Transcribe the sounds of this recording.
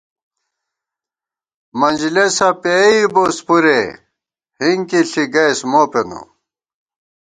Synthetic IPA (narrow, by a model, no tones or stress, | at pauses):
mɐnʲd͡ʑilesɐpeibospuɾe | hiŋkiɬiɡɐjsmoːpeno̰